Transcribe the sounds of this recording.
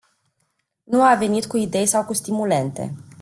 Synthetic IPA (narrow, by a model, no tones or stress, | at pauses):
nuave̞nit̪kuid̪e̞jsawkust̪imule̞nt̪e̞̰